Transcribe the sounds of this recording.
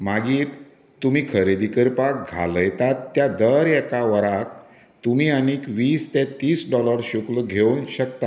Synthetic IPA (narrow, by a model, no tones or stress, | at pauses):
maɡiːɾ | t̪umiːkʰəɾed̪ikəɾpakɡʱa̰ləjt̪at̪ːjad̪əɾɛkaʋəɾak̚ | t̪umiːaniːkʋiːst̪ɛt̪iːsɖɔləɾɕukləɡʱeunɕəkt̪a